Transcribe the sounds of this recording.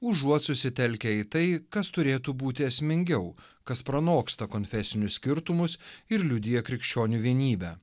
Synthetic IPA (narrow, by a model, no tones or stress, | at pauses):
ʊʒuɔt̪sʊsʲɪt̪ʲɛlʲkʲɛit̪ɐɪkɐst̪ʊɾʲeːt̪ubuːt̪ʲɪɛsʲmʲɪŋʲɡʲɛʊ | kɐspɾɐnoːkst̪ɐkonʲfʲɛsʲɪnʲʊssʲkʲɪɾt̪ʊmʊsɪɾlʲʊd̪ʲɪjɛkɾʲɪkʃʲt͡ʃʲoːnʲuʋʲiɛnʲiːbʲɛː